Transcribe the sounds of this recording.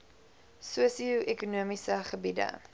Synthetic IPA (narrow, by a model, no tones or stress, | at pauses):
suəsiuʔekunuəmisəχəbidə̰